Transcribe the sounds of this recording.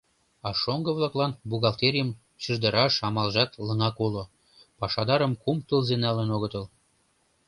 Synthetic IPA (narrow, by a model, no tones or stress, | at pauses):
ɑʃoŋɡə̆βlɑklɑnbuɣɑlt̪eɾʲijəm | t͡ɕərd̪ə̆ɾɑʃɑmɑlʒɑt̪ləŋɑkolo | pɑʃɑd̪ɑɾəmkumt̪əlzenɑlənoɣət̪əl